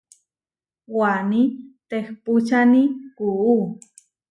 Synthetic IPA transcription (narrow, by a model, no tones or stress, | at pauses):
wanit̪exput͡ʃanikuu